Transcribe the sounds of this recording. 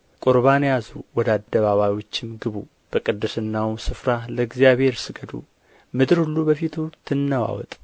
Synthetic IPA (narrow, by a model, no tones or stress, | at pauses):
kʼʊɾβanjazuwɔd̪ad̪ːəβaβajwo̞t͡ʃːɪmɡɨβu | b̥əkʼɨd̪ːɨsɨnːawsɨfɾaləɡzijaβhe̞ɾsɨɡəd̪ṵ | mɨd̪ɨɾhulːubəfit̪ʰut̪ʰɨnːəwa̰wɔ̰t̪ʼ